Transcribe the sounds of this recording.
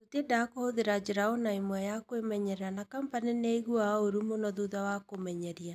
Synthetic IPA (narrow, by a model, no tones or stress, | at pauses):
totedakohoðeɾad͡ʒeɾaɔnaimwɛjakwemɛɲɛɾɛɾanakampaneneiɣuaoɾumonɔðuðawakomɛɲɛɾia